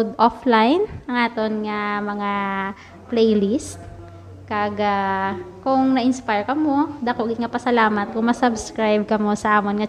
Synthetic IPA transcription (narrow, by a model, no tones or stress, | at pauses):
d̪ʔoflajnʔɐŋʔaːt̪onŋɐmɐŋa | plɛjlist̪̚ | kɐɡakʊŋnɐʔɪnspajɹkɐmod̪ɐkoʔɡɪŋɐpɐsɐlaːmɐt̪̚kʊŋmɐsɐbskɾajb̚kɐmo̞sɐʔaːmonŋɐ